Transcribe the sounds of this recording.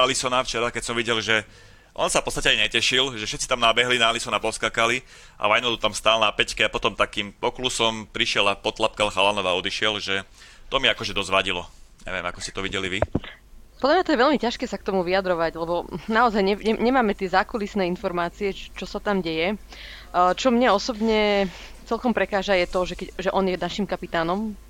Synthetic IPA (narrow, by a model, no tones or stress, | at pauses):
alisɔnaft͡ʃɛɾakɛcsɔmʋiɟɛlʒɛ | ʔɔ̰nsafpɔtt͡sst̪acɛajɲɛcɛʃilʒɛfʃɛt̪t͡si̥t̪amnabɛɦlinaːlisɔnapɔskakali | ʔa̰ʋajnɔlut̪amst̪aːlnapɛckɛapɔt̪ɔmt̪akiːmpɔklusɔmpɾiʃɪɛlapɔt̪lap̚kalxalanɔʋaɔd̪iʃɪɛlʒɛt̪ɔmiakɔʒɛd̪ɔzʋaɟilɔɲɛ̰ʋijɛmakɔ̥scɛt̪ɔʋiɟɛliʋi | pɔd̪lamɲat̪ɔjɛʋɛlmicaʃkɛːsak̚t̪ɔmuʋiad̪ɾɔʋaɟlɛbɔnaɔzajɲɛɲɛɲɛmaːmɛt̪ɪɛzaːkulisnɛːinfɔɾmaːt͡siɛt͡ʃɔsat̪amɟɛjɛ | t͡ʃɔmɲɛɔsɔbɲɛ | t͡sɛlkɔmpɾɛkaːʒajɛt̪ɔʒɛkɛɟʒɛʔɔnjɛd̪aʃimkapit̪aːnɔm